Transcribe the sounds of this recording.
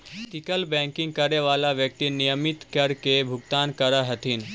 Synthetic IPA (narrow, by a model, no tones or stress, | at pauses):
t̪ɪkəlbɛ̃ːŋkɪ̃ŋɡ̚kəɾeʋaːlaʋjək̚t̪inijəmɪt̪kəɾkebʱʊɡt̪aːnkəɾaɦət̪ʰin